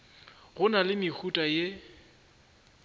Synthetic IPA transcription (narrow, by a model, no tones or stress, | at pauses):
ɣʊnalɪmɪk͡xʰutʼaje